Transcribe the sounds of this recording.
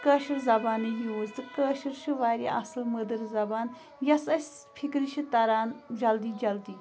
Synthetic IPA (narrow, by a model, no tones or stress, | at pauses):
kɐːʃɐɾzɐbaːnɨjoːzt̪ɨkəːʃiɾʃɨʋaːɾʲḭʔɐsɨlməd̪ɨɾzɐbaːn | jɐsɐsʲ | pʰikɾiʃʰit̪ɐɾaːnd͡ʒɐld̪iːd͡ʒɐld̪iː